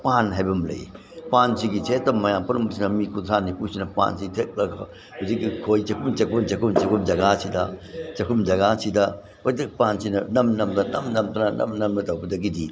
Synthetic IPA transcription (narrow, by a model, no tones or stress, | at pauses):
panɦajbɐmlɐ̰j | pansiɡit͡ʃetːɐmːɐjampɐɾɐmbɐsinɐmikuntʰanipusinɐpa̰nsitʰek̚lɐ | huzikːikʰojt͡ʃɐkʰumt͡ʃɐkʰunt͡ʃɐkʰumt͡ʃɐkʰumd͡ʒɐɡasidɐt͡ʃɐkʰumd͡ʒɐɡasidɐ | ojdɐkpansinɐnɐmnɐmdɐnɐmnɐmtɐnɐnɐ̰mnɐmnɐtɐwbɐdɐɡidi